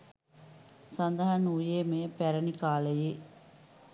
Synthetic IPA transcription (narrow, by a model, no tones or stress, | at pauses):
sɐnd̪ɐɦɐnujeːmɐjɐpɛɾɐnikaːlɐje